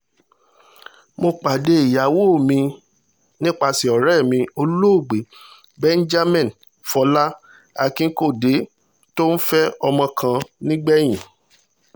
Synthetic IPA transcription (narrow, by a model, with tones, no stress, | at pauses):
mo˧k͡pa˨de˧i˨ja˨wo˦˨mĩ˧ | nĩ˦k͡pa˧si˨ɔ˨ɾɛ˦˨mĩ˧o˧lo˦o˦˨ɡ͡be˨˦ | bɛ˦n̩˦d͡ʒa˦mɛ̃˦˨n˨ | fɔ˧˦la˦ | a˦˨kĩ˦ko˦˨de˨˦ | to˦n̩˦fɛ˦ɔ˧mɔ̃˧kʰã˧nĩ˦ɡ͡bɛ˦j̃ĩ˨